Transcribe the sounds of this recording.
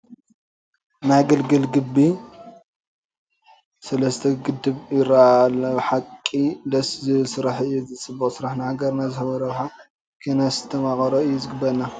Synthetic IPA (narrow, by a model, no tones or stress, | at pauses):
najɡɐlɡɨlɡɨbːi | sɐlɐst̪ʰɐɡɨd̪ːɨβjɪɾalɐħakʼːid̪ɐszɨɨlsɨɾaħɨjːuzɨt͡sʼɨbːɐχʼsɨɾaħnahaɡɐɾnazɨhɐβɐɾɐwħa | kʰenɐst̪ʰɐmakʼɐɾoɨjːuzɨɡɨbɐɾna